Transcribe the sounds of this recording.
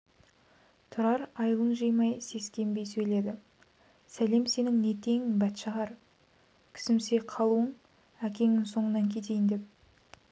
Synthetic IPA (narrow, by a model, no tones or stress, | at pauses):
t̪ʰʊɾɑɾɑjəlˠəɴʒɯjmɑjse̞skʲe̞mbe̞jsɵjle̞d̪ɪ | sæle̞mse̞nɪŋne̞t̪ʰe̞ŋbæt̪ʃɑʁɑɾ | kʲʰɪ̥sɪmse̞qʰɑlˠuəɴ | ækʲe̞ŋɪŋso̞ɴənɑŋkʲʰe̞t̪e̞jɪnd̪e̞p̚